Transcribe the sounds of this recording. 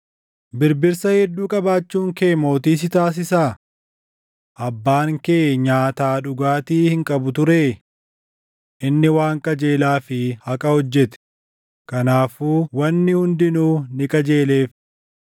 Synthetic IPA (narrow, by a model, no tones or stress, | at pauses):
bɪɾbɪɾsɐhɛd̪ːuːkʼɐbaːt͡ʃːuːŋkeːmo̞ːt̪iːs̬ɪt̪aːs̬ɪsaː | ʔɐbːaːŋkeːɲaːt̪aːᶑʊɡaːt̪iːhɪŋkʼɐbʊt̪ʊɾeː | ʔɪnːɪwaːŋkʼɐd͡ʒe̞ːlaːfɪhɐkʼɐhɔd͡ʒːɛt̪ɛ̥ | kɐnaːfuːwɐnːɪhʊnd̪ɪnuːnɪkʼɐd͡ʒeːle̞ːf